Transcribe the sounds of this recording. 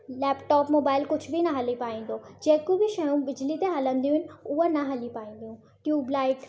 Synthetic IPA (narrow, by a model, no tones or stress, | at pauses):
lɛːpʈɔːpmoːbaːɪlkʊd͡ʑʱbʱinɐɦɐlipaːĩːn̆d̪od͡ʑẽːkobɪʃɐjũbɪd͡ʑlit̪eɦɐlə̃nd̪ijũɦɪnɪ̆ʊɦanɐɦɐlipaːĩːn̆d̪ijũ | ʈjuːblaːɪʈ